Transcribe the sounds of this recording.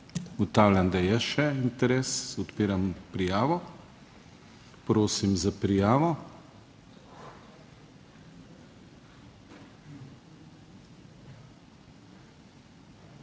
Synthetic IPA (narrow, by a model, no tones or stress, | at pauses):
ɡɔt̪aːwljand̪ajɛʃɛint̪ɛɾeːsɔt̪piːɾampɾijaːʋɔ | pɾoːsimzapɾijaːʋɔ